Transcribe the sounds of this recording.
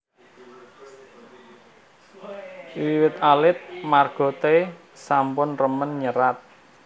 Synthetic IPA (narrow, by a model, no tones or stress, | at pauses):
wiwɪt̪alɪt̪̚marɡ̥ɔ̤t̪e | sampʊnrəmənɲəɾat̪̚